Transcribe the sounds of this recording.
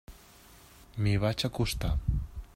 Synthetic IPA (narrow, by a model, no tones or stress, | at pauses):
miβat͡ʃakʊst̪a